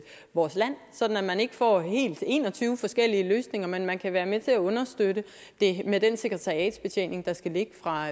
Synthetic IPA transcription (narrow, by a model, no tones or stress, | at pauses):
ʋɒːslæn̰sɒ̽d̥n̩æmæne̝ɡ̥əfɒ̰ːhe̝̰ːld̥e̝̰ːnɒ̽t͡sʰyːʊəfɒ̽sɡ̥el̰iəløːsne̝ŋɐmenmænkʰæʋæːɐmet͡sʰe̝æɔ̽nɐsd̥ødə | d̥e̝med̥ense̝ɡ̥ʁet͡sʰɑ̈ʁiɛ̰ːd̥sb̥et͡sʰḛne̝ŋd̥ɑ̈sɡ̥æle̝ɡ̥əfʁɑ̈